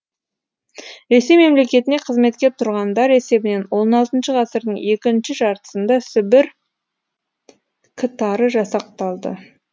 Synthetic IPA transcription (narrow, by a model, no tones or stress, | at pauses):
ɾe̞sejme̞mle̞kʲe̞t̪ɪne̞qʰəzme̞t̪̚kʲe̞p̚t̪ʰʊɾʁɑnd̪ɑɾe̞se̞bɪne̞nwo̞nɑlˠt̪ənʃəʁɑsəɾd̪əɴe̞kʲɪnʃɪʒɑɾt̪ə̥sənd̪ɑsʏbɪɾ | kʲʰɪt̪ɑɾəʒɑsɑq̚t̪ɑlˠd̪ə̰